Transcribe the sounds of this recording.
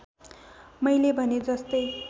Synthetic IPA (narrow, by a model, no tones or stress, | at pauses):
mʌjlebʱʌned͡zʌst̪ʌj